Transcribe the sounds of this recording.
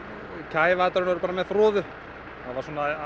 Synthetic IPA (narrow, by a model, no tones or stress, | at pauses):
cʰaːjvat̪aɾʏnvaɾʏpaːɾamɛðθɾɔːðʏ | havaɾswɔna